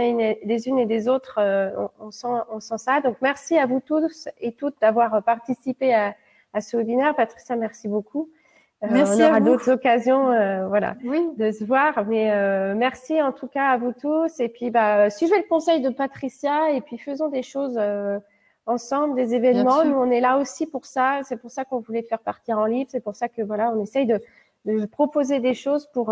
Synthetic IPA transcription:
ned̪ezyned̪ezot̪χøɔ̰̃ɔ̃sɑ̃ɔ̃sɑ̃sad̪ɔ̃kmɛʁsiavut̪uset̪ut̪̚d̪avwaʁøpaʁt̪isipea | asəwebinɛʁpat̪χi̥sjamɛʁsiboku | øɔ̃nɔʁad̪ot̪χəzɔkazjɔ̃øvwala̰d̪əsəvwaʁmɛømɛʁsiɑ̃t̪ukaːvut̪usepɥibaøsɥiveləkɔ̃sɛjd̪əpat̪χisjaepɥifəzɔ̃d̪eʃozø | ɑ̃sɑ̃bləd̪ezevɛnmɑ̃nuɔ̃nɛlaosipuʁsasɛpuʁsakɔ̃vulɛfɛʁpaʁt̪iʁɑ̃livʁsɛpuʁsakəvwalaɔ̃nɛsɛjd̪ə | d̪əpχɔpozed̪eʃozpuʁ

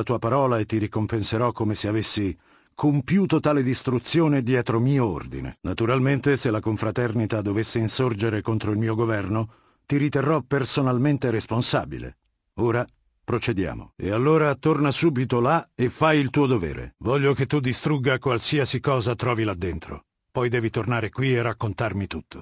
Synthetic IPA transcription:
at̪uːapaɾɔːlaet̪ːiɾikompenseɾɔkːomeseavesːi | kʰompjuːt̪ot̪aːled̪ist̪ɾut̪sːjoːned̪jɛːt̪ɾomiːoo̰rd̪ḭnḛnat̪uɾalment̪eselːakoɱfɾat̪ɛrnit̪ad̪ovesːeinsord͡ʒeɾekont̪ɾoilmiːoɡovɛrno | t̪iɾit̪erːɔpersonalment̪eɾesponsa̰ːbḭlḛ | oːɾa | pɾot͡ʃed̪ja̰ːmo̰ḛalːoːɾat̪ornasuːbit̪olaefːajilt̪uːod̪ovɛ̰ːɾḛvɔʎːoket̪ːud̪ist̪ɾuɡːakwalsiasikɔːzat̪ɾɔːvilad̪ːent̪ɾo̰ | pɔjd̪ɛːvit̪ornaːɾekwierakːont̪armit̪ut̪ʰːo̥

